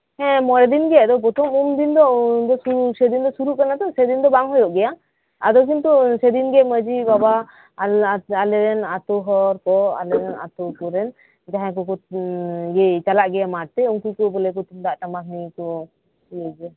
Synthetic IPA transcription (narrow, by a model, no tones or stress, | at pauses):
hɛ̃mɔɾɛd̪inɡɛjad̪ɔbɔt̪ɔmumd̪ind̪ɔd̪ɔsusɛd̪ind̪ɔsuɾuʔkanat̪ɔsɛd̪ind̪ɔbaŋɦɔjɔʔɡɛja | a̰d̪ɔk̬int̪usɛd̪inɡɛməd͡ʒibaba | alɛɾɛnat̪ɔɦɔɾkɔa̰lɛɾɛna̰t̪ɔkɔɾɛn | d͡ʒaɦɛ̃kɔkɔ | ɡɛt͡ʃalaʔɡɛjamaɾ̚t̪ɛuŋkujkɔbɔlɛkɔt̪umd̪aʔʈamaɦnikɔ | siɛd͡ʒɛ